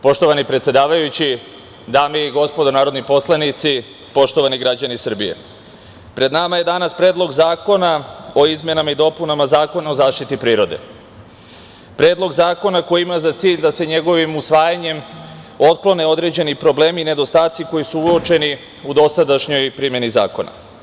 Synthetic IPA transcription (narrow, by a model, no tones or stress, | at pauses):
po̞ʃt̪o̞ʋanipɾet̪sje̞d̪aːʋajut͡ɕi | d̪aːmeiɡo̞spo̞d̪onaːɾo̞d̪nipo̞slanit̪si | po̞ʃt̪o̞ʋaniɡɾad͡ʑanisr̩bije̞̰ | pɾe̞d̪namaje̞d̪anaspɾe̞ːd̪lˠo̞ɡzaːko̞nao̞izme̞namaid̪o̞punamazaːko̞nao̞zaːʃt̪it̪ipɾiːɾo̞d̪e̞̰ | pɾe̞ːd̪lˠo̞ɡzaːko̞nako̞jiimazat̪siːʎd̪ase̞ɲe̞ɡo̞ʋimusʋaːjaɲe̞mo̞t̪̚plˠo̞ne̞o̞d̪ɾe̞d͡ʑe̞nipɾo̞ble̞ːmine̞d̪o̞st̪aːt̪siko̞jisuuot͡ʃe̞ni | ud̪o̞sad̪aʃɲo̞jpɾiːmje̞niza̰ːko̞na̰